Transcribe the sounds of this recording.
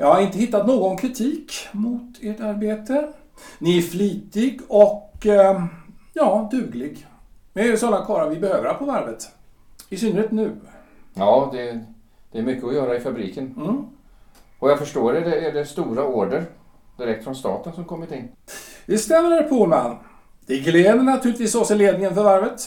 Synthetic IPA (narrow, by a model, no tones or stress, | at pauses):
jɑɡhaɾɪnt̪əhɪt̪ːat̪noːɡɔnkʰɾɪt̪ʰiːkmʊt̪ʰeːʈaɾbeːt̪ə | nɪæfliːt̪ɪɡɔk | jɑːd̪ʉ̟ːɡlɪɡmɛɛjɛsɔd̪ankʰɑːɾavɪbɛhøːvəɾapʰɔvaɾvət̪ | ɪs̬ʏnːəɾeːt̪nʉ̟ː | jɑːd̪ɛ | d̪̥ɛæɾmʏkːəɔjœːɾaɪfabɾḭːkən̩ | ɔjafœʂʈoːɖɛd̪ɛːɖɛst̪uːɾaoːɖəɾ | d̪̥ɪɾɛk̚t̪fɾɔnst̪ɑ̰ːt̪ənsɔmkʰɔmːɪt̪ɪnː | vɪst̪ɛmːəɾæɾpʰoma̰nː | d̪̥ɛɡleːd̪ənat̪ʰʉ̟lɪt̪viːsɔsɪleːd̪nɪŋənfœɾvaɾvət̪